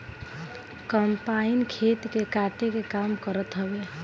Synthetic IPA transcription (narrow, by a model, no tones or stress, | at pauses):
kəmpainkʰet̪kekaʈekekamkəɾət̪ɦəbe